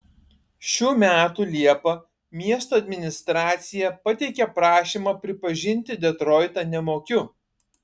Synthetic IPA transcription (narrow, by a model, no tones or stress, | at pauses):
ʃʲuːmʲæːt̪uːlʲiɛpɐ | mʲiɛst̪oːɐd̪ʲmʲɪnʲɪst̪ɾɑːt̪sʲɪjɛpɐt̪ʲɛɪkʲɛpɾɑːʃʲiːmɐpʲɾʲɪpɐʒʲɪnʲt̪ʲɪd̪ʲɛt̪ɾɔɪt̪ɐnʲɛmoːkʲʊ